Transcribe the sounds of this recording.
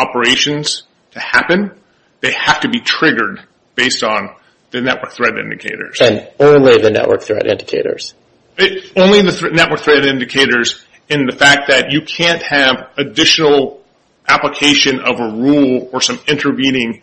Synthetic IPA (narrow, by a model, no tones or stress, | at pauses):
ɑpə˞eɪʃɨ̃nz̥ | tʰɨhæpɨ̃n | ðeɪhæftɨbitʰɹ̥ɪɡə˞d̚ | b̥eɪstn̩ | ðɨnɛʔwɜ˞k̚θɹɛɾɪ̰̃ndɨkʰeɪɾə̰˞z̥ɨ̃nõʊ̃nliðɨnɛ̰ʔwə̰˞k̚θɹɛ̰ɾʔɪ̰̃ndɨkʰeɪɾə̰˞z̥ | õʊ̃nliðɨθnɛʔ̚wə˞k̚θɹɛɾɪ̃ndɨkʰeɪɾə˞z | ɨ̃nðɨfæk̪̚ðɨt͡ʃɨkʰæ̃nt̚hɨvɨdɪʃnl̩ˠ | ʔæpləkʰeɪʃɨ̃nʌvəɹulˠə˞sʌ̃mɪ̃ntʰə˞vĩnɪ̃ŋ